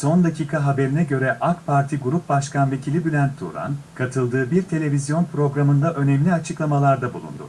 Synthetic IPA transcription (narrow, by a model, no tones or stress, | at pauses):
so̞nd̪acʰiːkʰaɦabe̞ɾinɛɟø̞ɾɛʔakpʰaɾt̪ʰiɡuɾup̚baʃkʰanve̞cʰilʲibylʲænt̪ʰːṵɾa̰nkʰat̪ʰɯlˠd̪ɯːbiɾt̪ʰe̞lʲe̞vʲizjo̞npʰɾo̞ɡɾamɯnd̪aʔø̞nɛmlʲiat͡ʃʰɯklˠamalˠaɾd̪abulˠṵnd̪ṵ